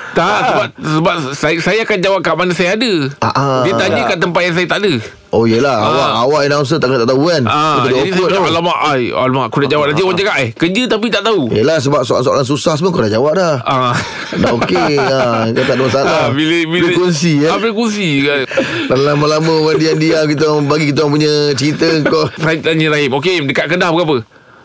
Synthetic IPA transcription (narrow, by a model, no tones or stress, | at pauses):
t̪asəbap̚səbap̚sasajaakand͡ʒawap̚kaʔmanəsajaadəaʔadət̪aɲdəkaʔt̪̬əmpat̪̚jaŋs̬ajat̪aʔadə | ʔojəlaawaʔawaʔinaw̃ns̬ət̪aʔkət̪aʔt̪aukanaudaoʊt̪alamaʔaja̰lamaʔkudaʔd͡ʒawap̚nat̪iwad͡ʒaɡaʔɛhkəd͡ʒət̪ap̬it̪aʔt̪aujəlahs̬əbap̚soa̰lsoa̰lans̬usahsəməkodaʔd͡ʒawap̚daha | daʔokeakot̪aʔdəməsalabilbiekɔnsiapəkɔnsiadalaməlaməwandiandiamkit̪̬əabaɡikit̪̬awaŋp̬uɲət͡ʃəɾit̪əŋkɔfɾaitaɲĩɾaimok̬emdəkaʔkədahbəɡap̬ə